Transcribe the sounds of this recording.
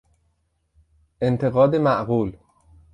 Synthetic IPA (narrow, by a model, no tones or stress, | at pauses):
ʔent̪ʰeɣɒːd̪emæʔɣuːl